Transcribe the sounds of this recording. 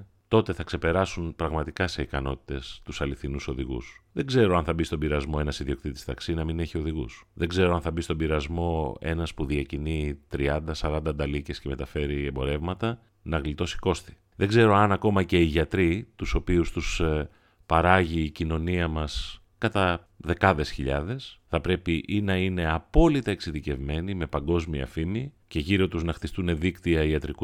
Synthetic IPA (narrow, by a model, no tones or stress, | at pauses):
t̪o̞t̪e̞θɐkse̞pe̞ɾɐsunpɾɐɣmɐt̪ikɐse̞ikɐno̞t̪i̥t̪e̞st̪usɐliθinuso̞ðiɣṵsðe̞ɡze̞ɾo̞ɐnθɐbist̪o̞mbiɾɐzmo̞e̞nɐsiðiokt̪it̪i̥st̪ɐksinɐmine̞çio̞ðiɣṵsðeɡze̞ɾo̞ɐnθɐbist̪o̞mbiɾɐzmo̞e̞nɐspuðiɐcinit̪ɾiɐnd̪ɐsɐɾɐnd̪ɐnd̪ɐlice̞sceme̞t̪ɐfe̞ɾiembo̞ɾe̞vmɐt̪ɐ | nɐɣlit̪o̞si̥ko̞st̪i̥ | ðeɡze̞ɾo̞ɐnɐko̞mɐce̞iʝɐt̪ɾit̪uso̞piust̪us | pɐɾɐʝiːcino̞niɐmɐs | kɐt̪ɐ | ðe̞kɐðe̞sçiʎɐðe̞sθɐpɾe̞piʔinɐine̞ɐpo̞lit̪ɐeksiðice̞vme̞nime̞pɐŋɡo̞zmiɐ̰fimice̞ʝiɾo̞t̪uznɐxθist̪une̞ðikt̪iɐiɐt̪ɾiku